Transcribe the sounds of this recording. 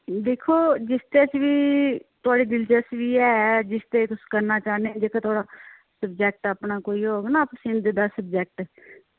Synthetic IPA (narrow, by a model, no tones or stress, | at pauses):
d̪eːkʰoːd͡ʒɪst̪eːt͡ʃʋiːt̪ʊaːɽiːd̪ɪld͡ʒəsʋiːɛːd͡ʒɪst̪eːt̪ʊskəɾnaːt͡ʃaːnẽd͡ʒeːkaːt̪ʊaːɽaː | səbd͡ʒɛk̚ʈapnaːkoːioːɡnãːpəsɪ̃nd̪ɪd̪aːsəbd͡ʒɛːk̚ʈ